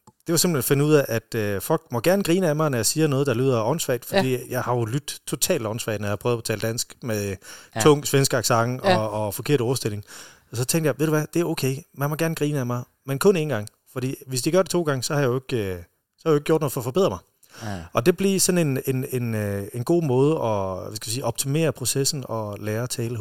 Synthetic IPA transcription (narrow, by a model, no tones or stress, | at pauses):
d̥e̝ʋɑ̈se̝mb̥lenfe̝nuð̰ˠæʔæd̥øfɒ̽l̰ɡ̥mɒ̽ɡ̥æɐnəɡ̥ʁiːnəæmɑ̈ɪnɒjɑɪsiːɐnɔ̽ːð̞̩ˠd̥ɑ̈lyːð̰ˠɐɒnsʋɛ̰ɪd̥fɒ̽d̥ḭːjɑ̈ɪhɑ̈jo̝lyd̥t͡sʰo̝t͡sʰɛ̰ːldɒnsʋɛ̰ɪd̥njhɑpʰʁœːð̩ˠpʰɒ̥t͡sʰɛ̰ːləd̥æn̰sɡ̥met͡sʰɔ̽ŋ̰sʋensɡ̥ɑɡ̥sɑ̈ŋʔɒːfɒ̽kʰe̝ɐɾ̥ɒʊɐsd̥e̝l̰e̝ŋ | ɒsɒt͡sʰeŋ̰ɡd̥jɑ̈ɪʋeð̰ˠduʋæd̥e̝æɐoʊkʰeɪmænmɒɡ̥æɐnɡ̥ʁiːnəæmɑ̈ɪ | menkʰɔ̽ne̝ːn̩ɡ̥ɑ̈ŋ̰ | fɒd̥ḭːʋe̝sd̥iɡ̥ɶɐd̥e̝t͡sʰo̝̰ːɡ̥ɑ̈ŋəsɒ̽hɑjaeɡ̥ø | sɒhajʊeɡ̥o̰ɔɐdno̽ð̩ˠfɒ̽fɒbe̝ð̰ˠɐmɑ̈ɪ | ɒ̽d̥e̝b̥liɐsɒ̽ne̝nenenenɡ̥o̝̰ːmɔːð̞ˠəʔɒ̽æsɡ̥ɛʋisiːɒ̽b̥̚t͡sʰime̝̰ːɐpʰʁo̝sesn̩ɒ̽læːɐt͡sʰɛːlə